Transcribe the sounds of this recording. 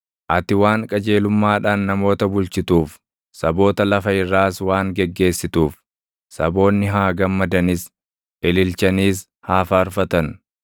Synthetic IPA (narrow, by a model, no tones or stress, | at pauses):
ʔɐt̪ɪwaːŋkʼɐd͡ʒe̞ːlʊmːaːᶑaːnːɐmo̞ːt̪ɐbʊlt͡ʃɪt̪uːf | sɐbo̞ːt̪ɐlɐfɐɪrːaːswaːŋɡɛɡːe̞ːsːɪt̪uːf | sɐbo̞ːnːɪɦaːɡɐmːɐd̪ɐnɪs | ʔɪlɪlt͡ʃɐniːs | haːfaːɾfɐt̪ɐn